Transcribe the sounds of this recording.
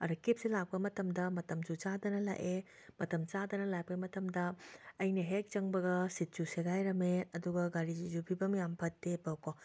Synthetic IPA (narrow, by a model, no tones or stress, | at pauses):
ɐɾɐkip̚silak̚pɐmɐtɐmdɐmɐtɐmd͡ʒut͡ʃadɐnɐla̰ʔe | mɐtɐmt͡ʃadɐnɐlajpɐɡemɐtɐmdɐːjnɐɦek̚t͡ʃɐŋbɐɡɐsit̚t͡ʃuseɡajɾɐmeɐduɡɐɡaɾid͡ʒizupʰibɐmjampʰɐtːepɐwko